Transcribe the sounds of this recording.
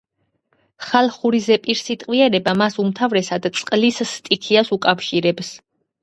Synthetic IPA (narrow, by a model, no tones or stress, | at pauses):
χalˠχuɾizɛpʼiɾsit̪ʼqʼwiɛɾɛbamasumt̪ʰavɾɛsad̪t̪sʼqʼlisːt̪ʼikʰiasukʼafʃiɾɛbs